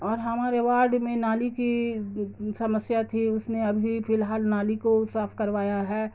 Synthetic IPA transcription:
ɔːɾɦɐmaːɾeʋaːɾɖmẽnaːliki | sɐməsjat̪ʰiʊsneɐbʱifɪlɦaːlnaːlikosaːfkɐɾʋaːjaɦɛː

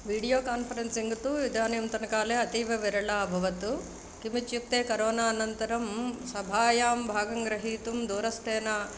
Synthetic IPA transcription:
ʋiːɽijoːkaːnpʰɐɾensiŋɡɐt̪uːʋid̪ʱaːnɐjumt̪ɐnɐkaːleːɐt̪iːʋɐʋiɾɐɭaːbʱɐʋɐt̪u | kimit͡ʃjuk̚t̪eːkɐɾoːnaːɐnɐnt̪ɐɾɐmsɐbʱaːjaːmbʱaːɡɐŋɡɾɐɦiːt̪umd̪uːɾɐst̪ʰeːna

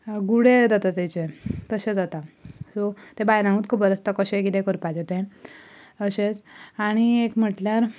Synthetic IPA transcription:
ɡuɽed͡z̪at̪at̪et͡ɕet̪əɕed͡zat̪asɔt̪ẽbajnãŋũt̪kʰupəɾəst̪akəɕẽkit̪ẽkəɾpad͡zet̪ɛ̃ | əɕet͡saɽ̃iekm̤əʈljaɾ

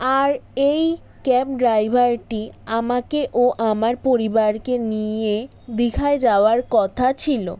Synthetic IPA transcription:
aɾej | kɛp̚ɖɾajbʱaɾʈiamakeʔoʔamaɾpoɾibaɾkenije | d̪ikʰaed͡ʑaoaɾkɔt̪ʰat͡ɕʰilo̰

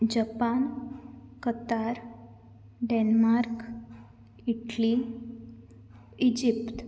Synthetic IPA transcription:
d͡ʑəpan | kət̪aɾ | ɖenmaɾk | iʈli | id͡ʑipt̪

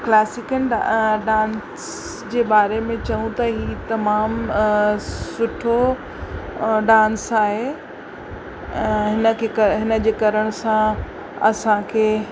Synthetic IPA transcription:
klɛːsɪkənɖãːn | s | d͡ʑeːbaːɾemẽt͡ɕɐũt̪ɐɦiːt̪ɐmaːm | sʊʈʰo | ɖãːnsaːɦe | ɛ̃ɦɪnəkʰeɦɪnə̆d͡ʑeːkɐɾəɽ̃ʊsã | ɐsãkʰeː

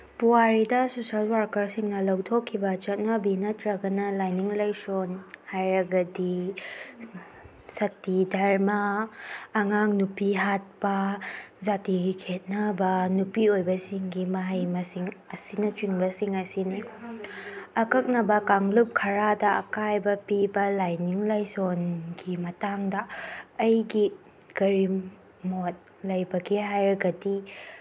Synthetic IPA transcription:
puwaɾidɐsosɐlwaɾkɐɾsiŋnɐlɐwtʰokʰːibɐt͡ʃɐt̚nɐbinɐtɾɐɡɐnɐlajniŋlɐjsonhajɾɐɡɐdi | sɐtːidʱɐɾmaː | ŋaŋnupiɦat̚pɐzatiɡikʰet̚nɐbɐnupiojbɐsiŋɡimɐɦɐjmɐsiŋɐsinɐt͡ʃwiŋbɐsiŋɐsini | ɐkɐk̚nɐbɐkaŋlup̚kʰɐɾadɐɐ̰kajbɐpibɐlajniŋlajsonɡimɐtaŋdɐːjɡi | ɡ̥ɐɾi | mot̚ | lɐjbɐɡiɦajɾɐɡɐdi

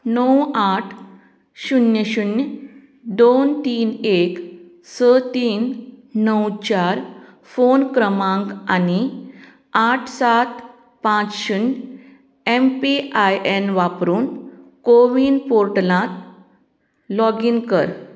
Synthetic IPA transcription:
nəwaʈʰ | ɕunjəɕun | d̪ont̪iːnek | sət̪iːnːəwt͡ɕaɾ | fonkɾəmãŋkani | aʈʰsat̪ | pãt͡sɕun | empiajʔenʋapɾuːnkoʋiːnpoɾʈlãt̪ | lɔɡinkəɾ

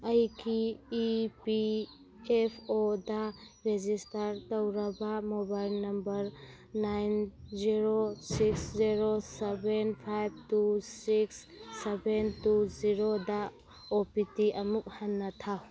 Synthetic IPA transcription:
ɐjkʰiː | pi | epʰodɐ | ɾezistɐɾtowɾɐbɐmobajlnɐmbɐɾ | najnziɾosiksziɾosebenpʰajb̚tusiksː | ebentuziɾoda | opitiʔɐmuk̚hanːɐtʰa

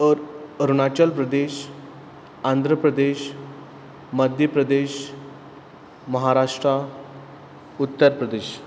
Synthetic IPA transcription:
ɾəɾunat͡ɕəlpɾəd̪eɕ | and̪ʱɾəpɾəd̪eɕ | məd̪ʱjəpɾəd̪eɕ | məɦaɾaʂʈɾa | ut̪ːəɾpɾəd̪eɕ

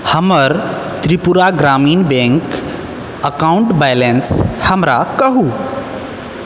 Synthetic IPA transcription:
həməɾ | t̪ɾipuɾaɡɾamiːnbẽŋk | əkauɳʈbajlenshəmɾakəɦu

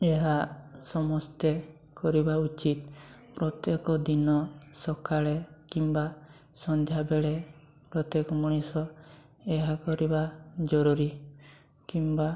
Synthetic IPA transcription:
eɦasɔmɔst̪e | kɔɾibaut͡ʃit̪pɾɔt̪jekɔd̪inɔsɔkʰaɭekimba | sɔnd͡ʒʱjabeɭe | pɾɔt̪ekɔmuɽ̃isɔ | eɦakɔɾibad͡ʒɔɾuɾi | kimba

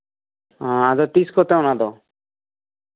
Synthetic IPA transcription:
ãad̪ɔt̪iskɔt̪ɛwnad̪ɔ

